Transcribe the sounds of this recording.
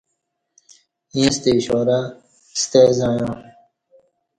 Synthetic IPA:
ĩːst̪eɕoːɾa | st̪eːzaːjãː

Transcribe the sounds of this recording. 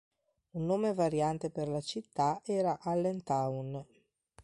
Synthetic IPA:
unːoːmevaɾjant̪eperlat͡ʃit̪ːaɛːɾaʔalːent̪awn

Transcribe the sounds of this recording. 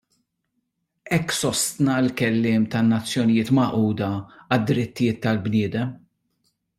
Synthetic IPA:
ʔɛkːsɔst̪nɐɪlkɛlːɪːmt̪ɐnːɐt͡sːjɔnɪjɪːt̪mɐʔuːd̪ɐɐd̪ːɾɪt̪ːɪjɪːt̪ːɐlbnɪːd̪ɛm

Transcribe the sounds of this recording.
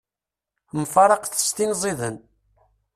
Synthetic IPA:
mfɑɾˤɑqθə̥st̪inzˤiðən

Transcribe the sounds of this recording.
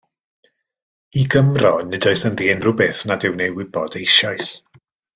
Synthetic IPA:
iɡəmrɔnɪdɔɨsənðiɛnrʊbɛθnadɪwnejwɪbɔdejʃɔɨs

